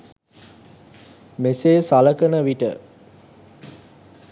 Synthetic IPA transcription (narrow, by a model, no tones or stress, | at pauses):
meseːsaləkənəʋiʈə̰